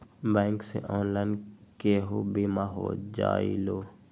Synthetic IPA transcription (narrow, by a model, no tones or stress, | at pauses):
bɛ̃ːŋksḛʔɔːnlaːnkeɦobimaɦo̰ːd͡ʒa̰ːiloː